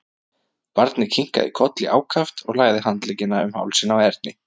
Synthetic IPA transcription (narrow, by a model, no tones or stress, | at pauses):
paɾt̪nɪcʰiŋ̥ka̰ðɪ̰kʰɔt̪lɪ̰ʔa̰ːwkʰaft̪ɔɣlaːɣðɪhant̪lɛːcɪnaʏmha̰wlsɪnawɛɾt̪̚nɪ